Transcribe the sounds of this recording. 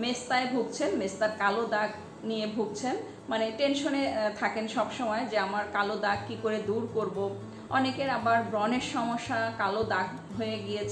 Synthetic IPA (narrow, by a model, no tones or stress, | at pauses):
mest̪aebʱuɡ̚t͡ɕʰenmest̪aɾkalod̪aɡ | nijebʱuɡ̚t͡ɕʰen | maneʈenʃonet̪ʰakenʃɔbʃɔmɔed͡ʑeamaɾkalod̪aɡ̚kikoɾed̪uɾkoɾbo | ɔnekeɾabaɾbɾɔneɾʃɔmoʃːakalod̪aɡ | ɦojeɡijet͡ɕʰ